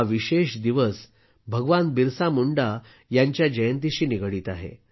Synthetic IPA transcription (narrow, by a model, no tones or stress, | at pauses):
ʋiɕeɕd̪iʋəs | bʱəɡʋanbiɾsamuɳɖa | jaɲt͡ɕjad͡ʑəjənt̪̬iɕiːniɡəɽiːt̪aɦḛ